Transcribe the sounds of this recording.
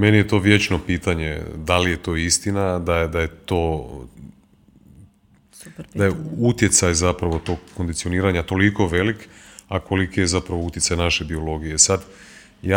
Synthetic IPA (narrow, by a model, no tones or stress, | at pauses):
me̞nije̞t̪o̞ːʋje̞t͡ʃno̞piːt̪aɲe̞̰d̪alije̞t̪o̞ːist̪inad̪ajd̪ajet̪o̞ː | dd̪ajeut̪je̞t̪sajzapɾaʋo̞t̪o̞ːɡːond̪it̪sio̞niːɾaɲat̪o̞liko̞ʋe̞likako̞likejezapɾaʋo̞ut̪jetsajenaʃe̞bio̞lo̞ɡije̞sad̪ | ja